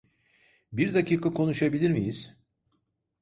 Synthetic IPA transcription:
biɾd̪aciːkʰakʰo̞nuʃabilʲiɾmijiz̥

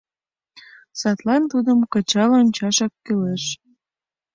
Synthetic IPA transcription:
sɑt̪lɑnt̪ud̪əmkət͡ɕɑlonʲt͡ɕɑʃɑkːeleʃ

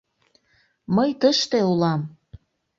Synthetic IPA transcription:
məjt̪əʃt̪eulɑm

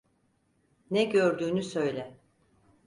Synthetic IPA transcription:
nɛɟøɾd̪yːnysø̞jlʲɛ

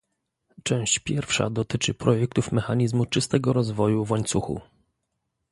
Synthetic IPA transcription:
t͡ʂɛ̃w̃ɕt͡ɕpʲjɛɾfʂa̰d̪ɔt̪ɘt͡ʂɘpɾɔjɛk̚t̪ufmɛxaɲizmut͡ʂɘst̪ɛɡɔɾɔzvɔjuvwaɲt̪suxṵ

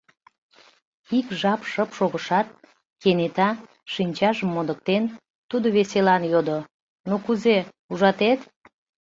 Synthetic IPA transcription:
ikʒɑpʃəpʃoɣəʃɑt̪̚ | kenet̪ɑ | ʃinʲt͡ɕɑʒəmːod̪ək̚t̪en | t̪ud̪oβeselɑnjod̪o | nokuze | uʒɑt̪et̪

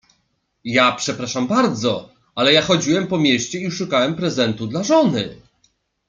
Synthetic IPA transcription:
japʂɛpɾaʂambaɾd̪zɔ | alɛjaxɔd͡ʑiwɛmpɔmʲjeɕt͡ɕɛiʂukawɛmpɾɛzɛnt̪ud̪laʐɔnɘ

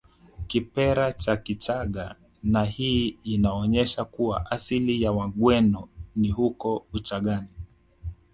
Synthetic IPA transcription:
kipɛɾat͡ʃakit͡ʃaɠa | nahiːnaɔɲɛʃakuwa̰ʔasilijawaɠwɛnɔnihukɔut͡ʃaɠani

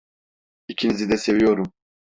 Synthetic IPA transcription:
icʰinizid̪ɛse̞vijo̞ɾum

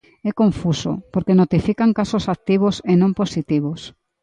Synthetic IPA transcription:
ɛkoɱfuso̰poɾkenot̪ifikaŋkasosak̚t̪iβ̞osenõmposit̪iβ̞os

